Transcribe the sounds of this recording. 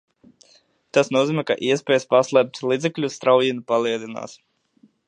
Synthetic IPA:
t̪asnuɔziːmɛka̰ʔiɛspʲeɛːjspaslˠɛp̚t̪lˠiːd̪ɛklʲust̪ɾawjinupalˠiɛlˠina̰ːs

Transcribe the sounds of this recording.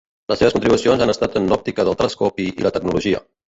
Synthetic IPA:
ləsːeβskunt̪ɾiβusionzanəst̪at̪ənlɔp̚t̪ikəðəlˠt̪ɾənskɔpiḭlət̪əɡ̚nuluʒiə̰

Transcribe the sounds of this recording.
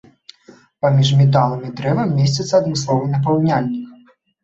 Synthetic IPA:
pamʲiʂmʲɛt̪̬alˠɐmid̪ɾɛvɐmːʲesʲt͡sʲɐt̪sɐːd̪mɨslˠɔvɐnɐp̬awnʲalʲnʲikɐ

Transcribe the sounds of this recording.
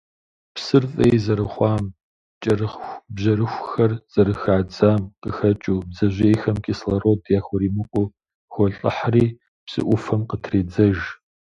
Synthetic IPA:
psɨrfʼejzɐɾɨχʷɑːm | t͡ʃʼɐrɨχʷbʑɐɾɨxʷxɐrz̥ɐɾɨxaːd͡zaːmqəxɐt͡ʃʼuːbzɐʑʷeːjxɐmkʲʼislɐrodjaːxʷɔɾiːmɨqʷʼʊ | xʷɔɬʼɨ̰ħriː | psɨ̰ʔʷʊfɐmqətʰreːd͡zɐʒ

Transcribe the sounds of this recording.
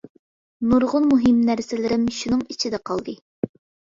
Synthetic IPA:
nuɾʁʊnmuɦɪmnæɾsɪlɪɾɪmʃunɨŋit͡ʃʰid̪ɛqʰɑlˠd̪ɨ

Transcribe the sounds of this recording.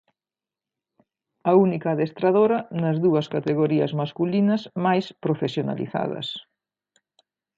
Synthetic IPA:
ɐunikɐːðest̪ɾaðoɾɐnɐzðuɐskat̪eɣoɾiɐ̰zmaskulinɐsmajspɾofesjona̰lḭθa̰ðɐ̰s

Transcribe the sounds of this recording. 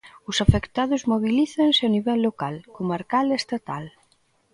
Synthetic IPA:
ʊsafekt̪aðʊzmoβiliθansɪaniβɛlːokalkomaɾkalest̪at̪al

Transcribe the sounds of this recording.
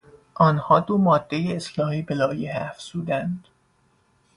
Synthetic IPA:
ʔɒːnhɒːd̪omɒːd̪̥ːe̞jeːslɒːhiːbelɒːjehæfz̥uːd̪ænd̪̥

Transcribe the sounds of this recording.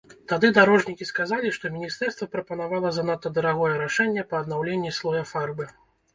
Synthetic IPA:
t̪ad̪ɨd̪aɾɔʐnʲikʲiskazalʲiʂt̪ɔmʲinʲist̪ɛrst̪vɐpɾɐpɐnavalˠɐzɐnat̪ːɐd̪ɐɾaɣɔjɛɾaʂɛnʲːɛpɐːd̪nawlʲenʲːislˠɔjɐfarbɨ

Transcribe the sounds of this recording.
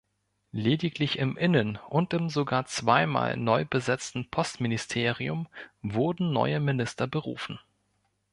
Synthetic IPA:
leːdɪklɪçɪmʔɪnənʔʊntɪmzoɡaːɐt͡sv̥aɪma̰ːlnɔʏbəzɛt͡stn̩pʰɔstmɪnɪstʰeːʁiʊmvʊɐdn̩nɔ̰ʏəmɪnɪstɐbəʁṵːfn̩

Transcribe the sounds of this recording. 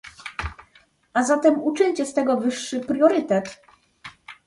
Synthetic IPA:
ʔazat̪ɛmut͡ʂɘɲʲt͡ɕɛst̪ɛɡɔvɘʂːɘpɾʲjɔɾɘt̪ɛt̪

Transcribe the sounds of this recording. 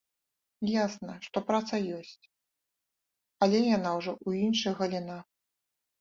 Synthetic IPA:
jasnɐʂt̪ɔpɾat̪sɐjɔsʲt͡sʲ | ɐlʲɛjanawʐɔʔuinʂɐjɣɐlʲina

